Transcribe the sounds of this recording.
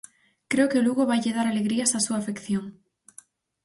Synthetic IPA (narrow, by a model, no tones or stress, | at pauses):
kɾeokeluɣoβajʎeð̞aɾaleɣɾiasasuaːfekθjoŋ